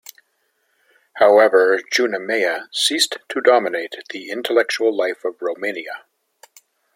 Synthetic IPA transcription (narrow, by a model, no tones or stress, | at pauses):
haʊɛvə˞d͡ʒʉnɨmeɪɨsistʰɨdɑməneɪt̪̚ðiɪ̃ntʰəlɛk̚t͡ʃul̩ˠlaɪfʌvɹoʊmẽɪniɨ